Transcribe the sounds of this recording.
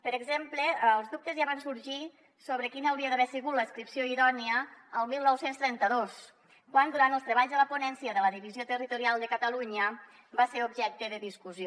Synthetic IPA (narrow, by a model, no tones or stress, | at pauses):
pəɾəɡzempləəlˠzðup̚t̪əzjaβansuɾʒi | soβɾəkinəwɾiəðəβɛsəɣut̪ləːskɾipsjoiðɔniəːlˠmilˠnɔwsenst̪ɾɛnt̪əðos | kwand̪uɾant̪əlˠst̪ɾəβ̞aʎzðələpunɛnsiəðələðiβiziot̪ərit̪uɾialˠd̪əkət̪əluɲə | baseɾubʒɛk̚t̪əðəðiskuzjo